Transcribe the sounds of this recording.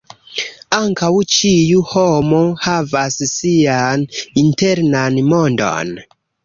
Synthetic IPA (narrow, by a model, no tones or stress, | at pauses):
aŋkawt͡ʃijuho̞mo̞havassianinte̞ɾnanmo̞ndo̰n